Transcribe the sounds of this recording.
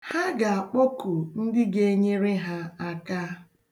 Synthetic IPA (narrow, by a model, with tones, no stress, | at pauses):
ha˦ɡa˨a˨k͡po˦ku˨n̩˦dɪ˦ɡe˦ɲe˦ɾe˦ɦa˦a˦ka˦